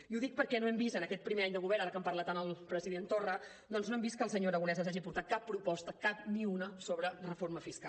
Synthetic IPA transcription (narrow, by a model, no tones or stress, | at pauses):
iuðik̚pəɾkɛnoɛmbisənəkɛt̪̚pɾimeaɲd̪əɣuβɛɾaɾəkəmpərlat̪anəlˠpɾəziðent̪orə | d̪ɔnznoɛmbist̪̚kəlˠsəɲoəɾəɣunɛzəaʒipuɾt̪at̪̚kapːɾupɔst̪əkap̚niunəsoβɾərəfoɾməfiska̰